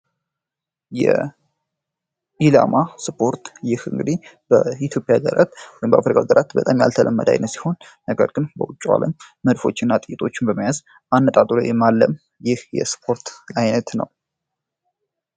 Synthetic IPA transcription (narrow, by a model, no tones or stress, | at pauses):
jɛ | ʔila̰maspʰo̞ɾt̪jɪhɨŋɡɨd̪ib̥əit̪ʰjo̞pʼjaɡəɾʔa̰t̪wɔjmbəafɾikʰaɡəɾʔat̪bət̪ʼamja̰lt̪ʰəlʔəmːə̰d̪a̰jnət̪si̥ho̞nː | əɡəɾɡɨnbəwʊt͡ʃʼːwa̰ləmː | əd̪fo̞̰t͡ʃːɪnːat̪ʼɨjɪt̪ʼo̞t͡ʃːɪnbəməjaz | ʔanːət̪ʼat̪ʼulojɛmalːəm | jɪhjɛ̰spʰo̞ɾt̪ajnət̪nə̰w